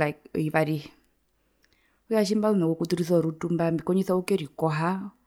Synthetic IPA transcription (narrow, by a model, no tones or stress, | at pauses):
aiβaɾi | ujaʃ̬imbalunakukutuɾisɔɾutumbambikɔɲisaukɛɾikɔɦa